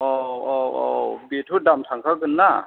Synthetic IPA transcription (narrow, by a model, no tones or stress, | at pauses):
ʔɔwɔwɔ̰wbitʰudamtʰaŋkʰaɡɯnːa